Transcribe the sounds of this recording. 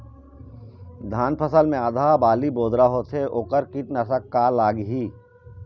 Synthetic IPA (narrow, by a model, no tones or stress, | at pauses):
d̪ʱaːnpʰəsəlmẽad̪ʱaːbaːliboːd̪ɾaɦoːt̪ʰeʔoːkəɾkiʈnɐsəkːalaːɡɦiː